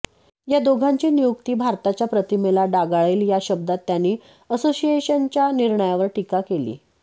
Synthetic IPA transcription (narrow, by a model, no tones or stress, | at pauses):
jad̪oɡʱaɲt͡ɕiːnijukt̪iːbʱaɾt̪at͡ɕjapɾət̪imelaɖaɡaɭeːljaɕəb̚d̪at̪ːjanːiː | əsosieɕənt͡ɕjaniɾɳəjaʋəɾʈikakelḭː